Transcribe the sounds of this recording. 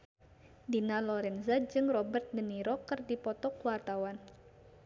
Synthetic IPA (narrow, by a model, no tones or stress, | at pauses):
dinalɔɾɛnzad͡ʒɨŋrɔbərt̪̚dəniɾɔkɨrdipɔt̪ɔkuwart̪awan